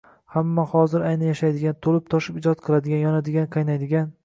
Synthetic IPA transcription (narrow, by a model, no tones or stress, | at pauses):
hamːahɒzɪɾajnanjaʃajd̪ɪɡʲant̪ʰolɪp̚t̪ʰɒʃɪpɪd͡ʒɒt̪̚qʰɨlˠad̪ɪɡʲanjɒnad̪ɪɡʲanqʰɑjnajd̪ɪɡʲan